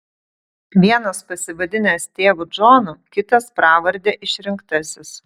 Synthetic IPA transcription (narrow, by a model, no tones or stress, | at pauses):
ʋʲiɛnɐspɐsʲɪʋɐd̪ʲɪnʲest̪ʲeːʋud͡ʒoːnukʲɪt̪ɐspɾɑːʋɐɾʲd̪ʲeːʔɪʃʲɾʲɪŋkt̪ɐsʲɪs